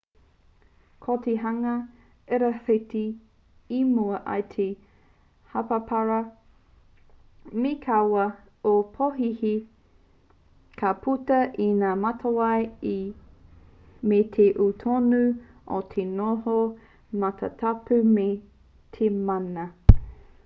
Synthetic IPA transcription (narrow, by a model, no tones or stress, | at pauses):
kʰot̪eɦɐŋɐ | eɾɐfeti | imuɐʔɐ̰jt̪ʰe | hɐpɐpʰɐɾɐ | mikʰawɐ | opʰoɦihi | kʰapʰutɐʔinaːmɐtʰɐwaji | metʰeʔutʰonu | ʔo̰t̪ʰenoɦo | mɐtʰɐ̰tʰapʉme | t̪ʰemanɐ